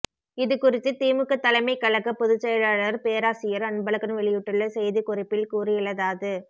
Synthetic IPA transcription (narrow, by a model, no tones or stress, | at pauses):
ɪðɯkʊrɪt̪ːɯt̪iːmɯkːɯt̪ːɐlɐɪmɐɪkːɐɭɐkːɯpɔðɯt͡ʃːɐjɐlaːɭɐɾpeːɾaːsɪjɐɾɐnbɐlɐkːɐnɯʋɛɭɪjɯʈːɯɭːɐsɛjðɯkʊrɪpːɪlkuːrɪɪlɐðaːðɯ